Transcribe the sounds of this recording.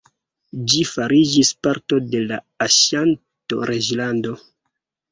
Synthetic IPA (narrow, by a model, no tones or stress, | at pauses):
d͡ʒifaɾid͡ʒispaɾto̞de̞la | aʃan | to̞̰ɾe̞d͡ʒlando̞